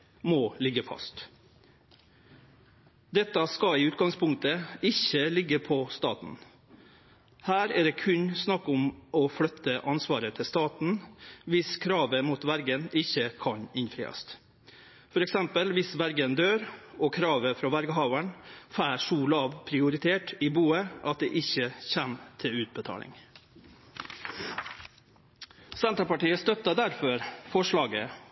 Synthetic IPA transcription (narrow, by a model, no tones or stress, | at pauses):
molɪɡːəfɑ̰st̪ | d̪ɛt̪ːɑskɑiːʉːt̪̚ɡɑŋspʰʊŋk̚t̪əɪçəlɪɡːəpʰɔst̪ɑ̰ːt̪n̩ | hæːɾæd̪eːkʰʉɲsnɑkːʊmʔɔflœt̪ːəʔɑnsʋɑːɾət̪ʰɪst̪ɑːt̪n̩ʋɪskʰɾɑːʋəmuːt̪ʋæɾɡənɪçːəkʰɑɲɪnfɾḭːɑ̰st̪ | fɔɾɛksɛmpəlʋɪsʋæɾɡənd̪øːɾɔkʰɾɑːʋəfɾɑːʋæɾɡəɦɑʊəɳfæːʂuːlɑːʋpʰɾɪʊɾɪt̪ʰeːʈɪbuːəʔɑt̪̚d̪ḛːʔɪçːəçæmt̪ʰɪʉːt̪̚bət̪ʰɑ̰ːlɪ̰ŋ | sɛnt̪ɾɑpɑʈiːəst̪œt̪ːɑd̪æɾfɔɾfɔʂɭɑːɡə